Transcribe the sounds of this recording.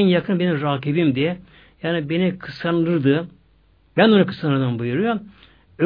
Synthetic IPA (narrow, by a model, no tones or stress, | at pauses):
njakʰɯnbenimɾaːkʰibimd̪i | jaːnibenikʰɯsanlˠɯɾd̪ɯ | bænonakʰɯ̥sanˠɯɾd̪ɯmbujuɾujo | ø